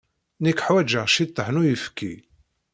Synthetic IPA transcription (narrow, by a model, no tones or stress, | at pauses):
nikːħwæd͡ʒəʁʃit̪ˤːəħnujəfkːi